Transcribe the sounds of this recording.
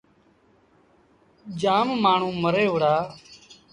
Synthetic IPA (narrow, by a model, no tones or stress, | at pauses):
d͡ʒaːmmaːɳ̤ũːməɾeːɦʊɽaː